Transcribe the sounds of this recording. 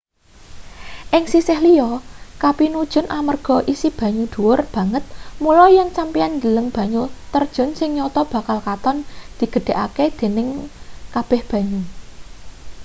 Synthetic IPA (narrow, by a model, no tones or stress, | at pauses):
ʔɪŋsisɪhlijɔkapinud̥ʒ̥ʊ̤nʔamərɡ̥ɔ̤ʔisib̥ä̤ɲud̪̥ṳwʊrb̥a̤ŋət̪̚mulɔjəŋsampiand͡ʒələŋb̥a̤ɲut̪ərd̥ʒ̥ʊ̤nsɪŋɲɔt̪ɔb̥a̤kalkat̪ɔnd̪̥i̤ɡ̥ə̤ɖ̥e̤ʔa̰ked̪̥e̤nɪŋkab̥ɛhb̥ä̤ɲu